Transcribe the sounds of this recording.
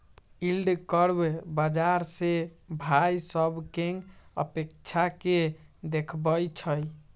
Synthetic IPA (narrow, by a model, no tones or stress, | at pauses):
ilɖkəɾbbəd͡ʒaɾsebʱajsəbkeŋɡə̰pek̚t͡ʃʰaked̪ekʰbəjt͡ʃʰəj